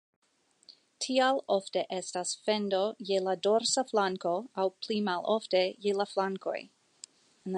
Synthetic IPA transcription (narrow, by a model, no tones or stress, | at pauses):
tʰialo̞fte̞ʔe̞stasfe̞ndo̞jelado̞ɾsaflaŋko̞awplimalʔofte̞jelaflaŋko̞̰j | n